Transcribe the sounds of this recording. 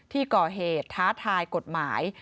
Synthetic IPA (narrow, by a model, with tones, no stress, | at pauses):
t̪ʰiː˥˩kɔː˨˩ɦeː˨˩t̪ʰːaː˦˥t̪ʰaː˧jko˨˩t̪̚maː˩˦j